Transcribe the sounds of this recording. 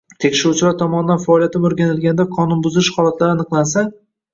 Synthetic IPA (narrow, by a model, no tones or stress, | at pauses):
t̪ʰekʲʃɪɾut͡ʃʰɪlaɾt̪ʰɒmɒnɪd̪anfaɒːlijat̪ʰɪmoɾɡʲanɪlɡʲanɪd̪aqʰɒnʊnbʊzɪɪʃhɒlˠat̪laɾɪanɨqlˠansa